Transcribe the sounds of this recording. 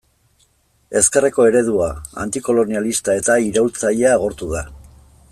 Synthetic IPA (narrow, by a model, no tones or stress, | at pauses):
e̞skereko̞e̞ɾe̞ð̞uaa̰nt̪iko̞lo̞nialist̪ae̞t̪aiɾawlt͡saʎeaːɣ̞o̞ɾt̪uða